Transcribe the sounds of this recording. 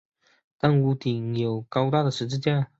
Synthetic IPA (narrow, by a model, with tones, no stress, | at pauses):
t̪a˥˧nu˧˥t̪i˨˩ŋjo˨˩ʊkɑ˥ʊt̪a˥˩d̪ə˩ʂɻ̩˧˥t͡ɕɻ̩˥˧t͡ɕja˥˩